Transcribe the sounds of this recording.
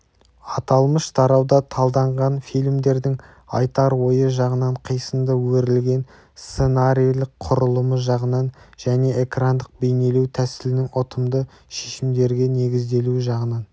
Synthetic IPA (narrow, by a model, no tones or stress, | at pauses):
ɑt̪ɑlˠməʃt̪ʰɑɾɑwd̪ɑt̪ʰɑlˠd̪ɑɴʁɑnfijlʲmd̪e̞ɾd̪ɪŋ | ɑ̰jt̪ɑɾwo̞jəʒɑʁənɑɴqʰəjsəmd̪əwɵɾɪlɡʲe̞n | st̪se̞naɾijlˠɪqʰʊɾəlˠəməʒɑʁənɑnʒ̥æne̞ʔekrand̪əq̚be̞jne̞lut̪ʰæsɪlɪnɪŋot̪ʰəmd̪ə | ʃeʃɪmd̪e̞ɾɡʲe̞ne̞ɡʲɪzd̪e̞luʒɑʁənɑn